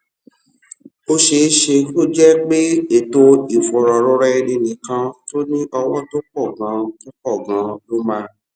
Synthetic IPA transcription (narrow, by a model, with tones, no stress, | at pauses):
o˦ʃe˧˦ʃe˧to˦d͡ʒɛ˦k͡pe˦e˨to˧i˨fɔ˨ɾɔ˨ɾɔ˧ɾɛ˧nĩ˧nĩ˨kã˧to˦nĩ˦ʔɔ˧wɔ̃˦to˦k͡pɔ˦˨ɡã˨˦to˦k͡pɔ˦˨ɡã˨˦lo˦mã˧